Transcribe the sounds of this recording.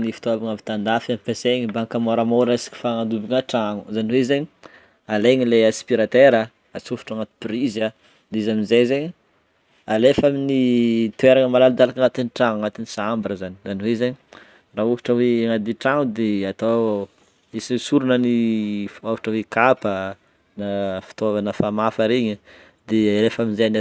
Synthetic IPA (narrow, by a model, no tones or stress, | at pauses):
nifi̥t̪oabaŋavit̪and̪afamipeseɲibaŋkamoɾamoɾesi̥ki̥faŋad̪ubiŋaʈ͡ʂaŋu̥zaniwezeɲi | aleɲileaspiɾat̪eɾə | at͡sufu̥ʈ͡ʂaŋat̪u̥priza | d̪izaminzezeɲi | alefaminit̪ueɾaŋəmalalid̪alakaŋat̪iniʈ͡ʂaŋaŋat̪inisambɾəzanizaniwezaɲi | raːɦovaʈ͡ʂəweŋad̪iʈ͡ʂaŋud̪eat̪o | isisuɾunənifovaʈ͡ʂəwekapə | nafi̥t̪ovanəfamafəɾeɲi | d̪ealefaminzeana